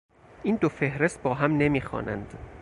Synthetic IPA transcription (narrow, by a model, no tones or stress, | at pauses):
ʔiːnd̪ofe̞hɾe̞st̪̚bɒːɦæmne̞miːxɒ̰ːnʔæ̰nd̪̥